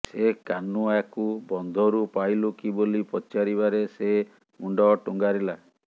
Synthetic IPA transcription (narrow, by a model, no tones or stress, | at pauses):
sekanuakubɔnd̪ʱɔɾupajlukibolipɔt͡ʃaɾiβaɾese | muɳɖɔʈuŋɡaɾila